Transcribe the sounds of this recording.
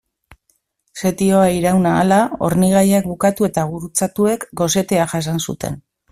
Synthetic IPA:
se̞t̪io̞aiɾawnaːlao̞̰ɾniɣ̞ajakbukat̪ue̞t̪aβuɾut͡sat̪ue̞kɡo̞se̞t̪e̞aʝas̬ansṵt̪e̞̰n

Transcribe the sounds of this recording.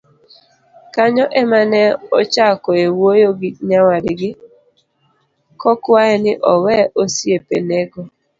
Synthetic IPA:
kaɲɔʔɛmanɛɔt͡ʃakɔewojoɡiɲawadɪɡɪ | kɔkwaɛnɪʔɔwɛʔosiepḛneɡɔ

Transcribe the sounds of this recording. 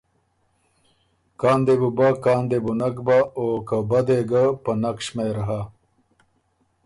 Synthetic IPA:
kaːnd̪ebubakaːnd̪ebunakbaokabad̪eɡapənakʂmeɾɐɦa

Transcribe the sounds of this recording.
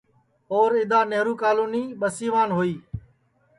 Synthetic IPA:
oːɾɪd̪aːneɦɾuːkaːluːniːɓəsiːʋaːnɦoːiː

